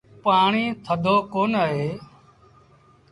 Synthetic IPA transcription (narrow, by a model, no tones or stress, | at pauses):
paːɳiːt̪ʰəd̪ʱoːkoːnəɦeː